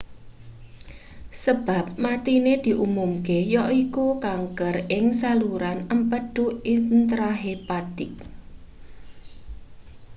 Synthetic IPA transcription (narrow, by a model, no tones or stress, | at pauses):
səb̥a̤p̚mat̪ined̪̥i̤ʔumumkejɔʔikukaŋkərɪŋsaluɾanəmpəɖ̥uint̪ɾaɦepat̪ɪk̚